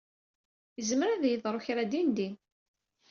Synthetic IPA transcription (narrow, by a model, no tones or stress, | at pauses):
jəzməɾæðjəðˤɾˤoçɾæd̪ind̪in